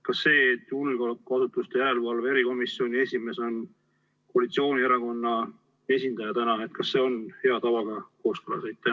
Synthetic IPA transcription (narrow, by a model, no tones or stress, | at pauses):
kɑsːe̞ːt̪julɡolekːɑsut̪ːˑust̪e̞jæɾe̞lvɑlvee̞ɾiko̞misːjio̞nʲie̞sʲime̞so̞n | koɑlit̪sio̞ːnʲiæɾɑko̞nːɑ | e̞s̬ʲind̪̥ɑjɑt̪ænɑet̪̚kɑsːe̞ːo̞nhe̞ɑt̪ɑvɑɡ̥ɑko̞ːskɤlɑ̰sejt̪̚t̪æ